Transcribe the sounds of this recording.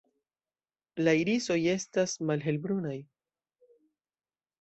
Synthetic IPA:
laiɾiso̞je̞stasmalɦe̞lbɾunaj

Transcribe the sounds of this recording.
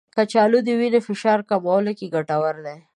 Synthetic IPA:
kat͡ʃɑlud̪əwinefɪʃɑɾkabolakiɡaʈawaɾd̪e

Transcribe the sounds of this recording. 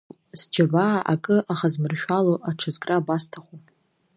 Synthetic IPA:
zd͡ʒabaːʔa̰kʼɨʔaχazmɨrʃᶣaloʔaʈ͡ʂʰazkʼrabastʰaχʷu

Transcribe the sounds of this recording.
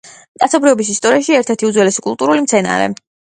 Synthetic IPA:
t̪ʼat̪sʰɔbɾiɔbis̬ist̪ʼɔɾiaʃiɛɾt̪ʰɛɾt̪ʰiud̪zwɛlɛskʼulˠt̪ʼuɾulimt̪sʰɛna̰ɾɛ̰

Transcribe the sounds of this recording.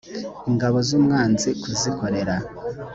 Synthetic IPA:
iŋɡaβo̞zuːmŋaːnzikuziko̞ɾe̞ɾa

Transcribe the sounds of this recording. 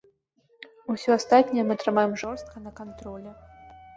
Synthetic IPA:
usʲɔast̪at̪ʲnʲɐjɛmɨɐt̪ɾɨmajɛmʐɔrst̪̚kɐnɐkant̪ɾɔlʲɛ

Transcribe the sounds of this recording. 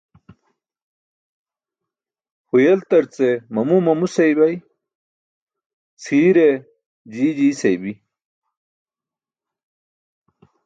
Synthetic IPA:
hujelt̪ɐɾt͡semɐmumɐmusɐjbɐj | t͡sʰiːɾe | d͡ʑiːd͡ʑiːsɐjbi

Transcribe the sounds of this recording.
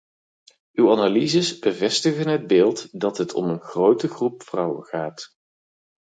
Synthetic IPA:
ʔywanalizəsbəvɛstəχənɦəd̚bɪːlˠtdɑtɦətʰɔ̰mənχrowtəχrupfrʌwə̰nχaːt

